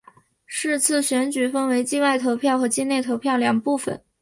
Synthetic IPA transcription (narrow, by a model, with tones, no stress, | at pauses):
ʂɻ̩˥˧t͡sʰɹ̩˥˩ɕɥɛ˧˥nt͡ɕy˨˩fə˥nwe˧˥ɪt͡ɕi˥˧wa˥˩ɪt̪ʰo˧˥ʊpʰjɑ˥˩ʊxɤ˧˥t͡ɕi˥˧ne˥˩ɪt̪ʰo˧˥ʊpʰjɑ˥˩ʊljɑ˨˩ŋpu˥˩fə̰˨˩˦n